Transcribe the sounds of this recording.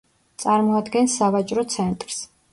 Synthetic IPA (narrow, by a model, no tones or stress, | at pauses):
t̪sʼaɾmɔad̪ɡɛnsːavat͡ʃʼɾɔt̪sʰɛnt̪ʼɾs